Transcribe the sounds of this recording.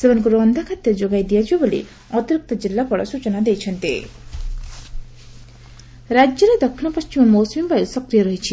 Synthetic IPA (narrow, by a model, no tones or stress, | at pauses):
sebɔnkuɾɔnd̪ʱakʰat̪jad͡ʒoɡajd̪ijad͡ʒabolḭ | ɔt̪iɾuk̚t̪ɔd͡ʒilːapɔɽɔ̰sut͡ʃɔnad̪ejt͡ʃʰɔnt̪ḛ | ɾad͡ʒjɔɾed̪ɔkʰːinɔpɔst͡ʃimɔmosmimbajusɔkɾijɔɾɔɦit͡ʃʰi